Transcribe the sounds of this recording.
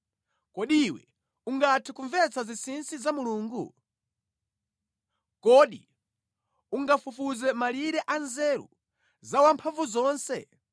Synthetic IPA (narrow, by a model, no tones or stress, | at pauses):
kɔɗiwɛ̰ | uŋɡatʰikuɱvɛt͡sazisinsizamuluːŋɡṵ | kɔɗḭ | uŋɡafufuzɛmaliɾɛʔanzɛɾṵ | zawampʰaɱvuzɔːnsɛ̰